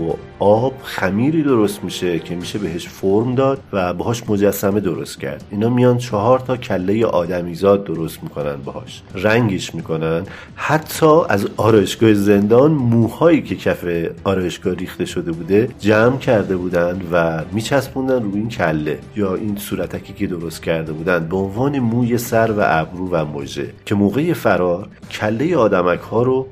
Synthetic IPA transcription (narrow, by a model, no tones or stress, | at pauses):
bo | ɒːb̥xæmiːɾiːd̪o̞ɾost̪miːʃe̞cʰe̞miːʃe̞beɦe̞ʃfoɾmd̪ɒːd̪̥̚væbehɒːʃmo̞d͡ʒæsːæme̞d̪oɾo̞̰st̪cʰæ̰ɾd̪iːnhɒːmijɒːnd̪̥t͡ʃʰɒɦɒːɾt̪ʰɒːcʰælːe̞jeʔɒːd̪æmiːzɒːd̪̚ːo̞ɾo̞st̪miːkʰo̞næ̰nd̪̚behɒ̰ːʃ | ræŋɟeʃmiːkʰo̞nænd̪ | hæt̪ʰːɒːæzɒːɾɒːjeʃɡ̥ɒːheze̞nd̪ɒːnmuːhɒːiːcʰe̞cʰæfeɒːɾɒːje̞ʃɡ̥ɒːhɾiːxt̪e̞ʃo̞d̪e̞buːd̪e̞d͡ʒæmcʰæɾd̪e̞buːd̪ænd̪væmiːt͡ʃʰæspund̪ænruːincʰælːe̞jɒːʔinsuːɾæt̪ʰæcʰiːcʰe̞d̪oɾo̞st̪̚cʰæɾd̪e̞buːd̪ænd̪̚beonvɒːne̞muːje̞sæɾvæ̰ʔæbɾuːvæmo̰d͡ʒe̞̰cʰe̞moːɣe̞je̞fæɾɒːɾ | cʰælːe̞jeɒːd̪æmækʰhɒːɾo